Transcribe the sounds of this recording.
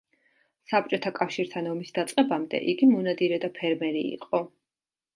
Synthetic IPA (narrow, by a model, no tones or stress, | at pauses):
sap̚t͡ʃʼɔt̪ʰakʼafʃiɾt̪ʰanɔmisd̪at̪sʼqʼɛbamd̪ɛ̰ʔiɡimɔnad̪iɾɛd̪apʰɛɾmɛɾḭːqʼɔ